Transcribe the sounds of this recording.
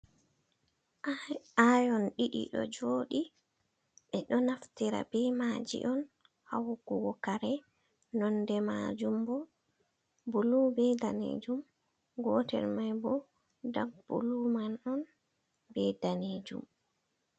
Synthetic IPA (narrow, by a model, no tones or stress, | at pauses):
ajɔnɗiɗḭɗɔ̰d͡ʒoːɗi | ɓɛɗɔnaftiɾa̰bɛmad͡ʒḭʔɔn | ha̰wɡuwɔkaɾɛ | nɔndɛmad͡ʒumbɔ | bulubɛdanḛːd͡ʒum | ɡɔtɛ̰ɾmajbɔ | daɡ̚bṵlumanɔn | bɛdaned͡ʒṵm